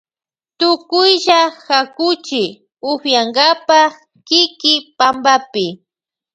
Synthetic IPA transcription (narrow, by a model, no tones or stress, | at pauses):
t̪ʊkʊjʒaxakʊt͡ʃɪ | ʊxjaŋɡapa | kɪkɪpambapɪ